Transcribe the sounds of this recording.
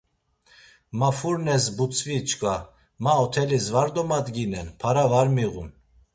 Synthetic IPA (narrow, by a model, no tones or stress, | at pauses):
mafuɾnɛsbut͡sʰʼvit͡ʃʰkʼa | maɔt̪ʰɛlisvaɾd̪ɔmad̪ɡinɛnpʰaɾavaɾmiɣṵn